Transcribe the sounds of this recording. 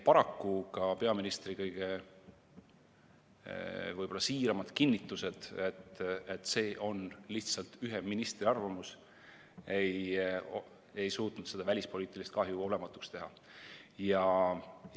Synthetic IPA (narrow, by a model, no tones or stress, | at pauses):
pɑɾɑkːukɑpe̞ɑminist̪rikɤjɡ̥e̞ | vɤjb̥o̞lːɑsiːɾɑmɑd̪̥kinʲːit̪ːˑuse̞d̪̥e̞t̪ːet̪ːˑse̞ːʔo̞nliht̪sɑlt̪yɦeminist̪riɑrvɑmus | e̞j | e̞jsuːt̪ˑnud̪se̞̥ɑvælʲispo̞liːt̪ːˑilist̪̚kɑɦjuo̞le̞mɑt̪ːˑu̥kst̪e̞ɦɑ | jɑ